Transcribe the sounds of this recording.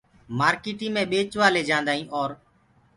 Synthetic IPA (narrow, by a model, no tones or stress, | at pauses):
maːɾkiːʈĩːmẽːɓeːt͡ʃʋaːleːd͡ʒãːnd̪aːĩːʔɔːɾ